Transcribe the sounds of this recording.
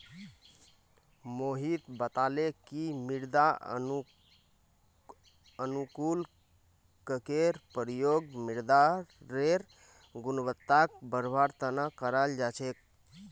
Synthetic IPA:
moɦit̪bət̪alekimiɾd̪a | ənukul | kəkeɾpəɾjoɡmiɾd̪aːeɾ | ɡunbət̪ːak̚bəɾbʱaɾt̪ənakəɾald͡ʒat͡ʃʰek̚

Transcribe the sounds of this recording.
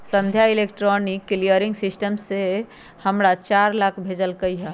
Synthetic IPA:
sə̃nd̪ʱjaɪleːkʈɾɔnɪkːlijəɾɪ̃ŋɡsɪsʈəmse | həmɾat͡ʃaːɾlakʰbʱeːd͡ʒəlkəiɦɛː

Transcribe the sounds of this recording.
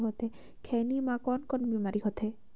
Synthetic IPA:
ɦɔt̪ʰɛ | kʰɛnimakɔnkɔnbimaɾiɦɔt̪ʰɛ

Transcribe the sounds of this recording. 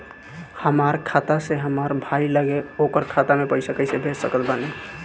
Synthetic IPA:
həmaɾkʰat̪aseɦəməɾbʱailəɡeokəɾkʰat̪amepəjsəkəsebʱessəkət̪bane

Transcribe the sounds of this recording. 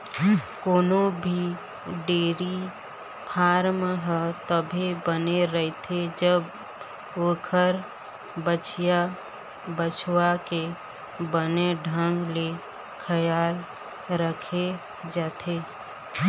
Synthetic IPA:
koːnobʱi | ɖeːɾi | pʰaːɾmɦət̪əbʱebəneɾəɦet̪ʰed͡ʒəb | okʰəɾ | bət͡ʃja | bət͡ʃʰwake | bəneɖʱə̃ŋɡle | kʰəjaːl | ɾəkʰe | d͡ʒaːt̪ʰeː

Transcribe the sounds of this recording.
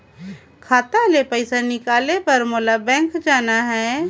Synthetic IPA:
kʰaːt̪alepəɪsanɪkaːlepɐɾmoːlabɛ̃ːŋkd͡ʒaːnaɦɛː

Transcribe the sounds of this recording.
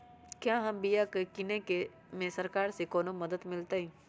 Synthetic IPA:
kjãːɦɐmbijakekɪneke | mẽsɐɾkaːɾsekɔːnomɐd̪əd̪mɪlt̪aɦĩː

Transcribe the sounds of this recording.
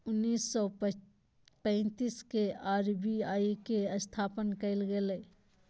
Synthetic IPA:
ʊnːiːsːɔ | pɛ̃ɪt̪iskeaːɾbiaːikeəst̪ʰaːpənkɐɪlɡeleː

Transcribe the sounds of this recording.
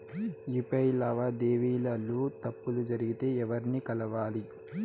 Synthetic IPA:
ipɐjlɐʋad̪eːʋiːlɐlːuːt̪ɐpːulud͡ʒɐɾiɡit̪e̞ːɛʋɐɾinikɐlɐʋaːli

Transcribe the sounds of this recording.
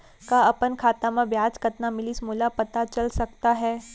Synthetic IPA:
kaɐpənkʰaːt̪ãmãʋjaːd͡zkət̪namɪliːsmuːlapɐt̪at͡ʃɐlsɐkt̪aɦɛː

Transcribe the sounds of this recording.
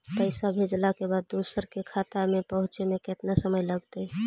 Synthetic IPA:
pəɪsabʱed͡ʒlakebaːd̪ːusəɾkekʰat̪amẽpəɦʊ̃t͡ʃemẽkɪt̪nasəməjləɡt̪ə

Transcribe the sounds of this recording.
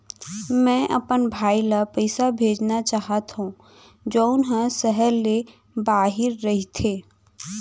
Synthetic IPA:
mɛ̃ʔɐpənbʱaːilapɛɪsabʱeːd͡ʒnat͡ʃaːɦət̪ɦũ | d͡ʒoːʊnɦə̃səɦəɾːe | baːɦɪɾːɐɦit̪ʰeː

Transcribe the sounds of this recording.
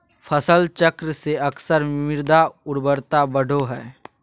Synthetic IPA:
pʰəsəlt͡ʃəkɾəseɐksəɾmɪɾd̪aʊɾbəɾt̪abəɽ̤ʱoɦɛː

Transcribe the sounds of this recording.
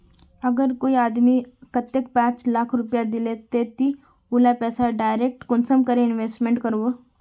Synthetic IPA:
ɐɡəɾkoːiaːd̪mikət̪ːekpãːt͡ʃlakʰɾʊpjad̪ɪlet̪et̪i | ulapɛːsaɖaːɪɾeːk̚ʈkʊnsəmkəɾeɪnʋeːsʈmẽɳʈkɐɾʋoː

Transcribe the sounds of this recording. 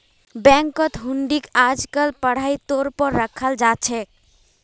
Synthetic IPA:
bɛ̃ŋkət̪ɦuɳɖikad͡ʒkəlpəɽ̤ajt̪oɾpəɾːəkʰəld͡ʒat͡ʃʰɛ

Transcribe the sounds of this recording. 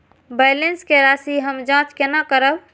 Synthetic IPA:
bajlenskeɾasiɦəmd͡ʒãt͡ʃkenakəɾəb

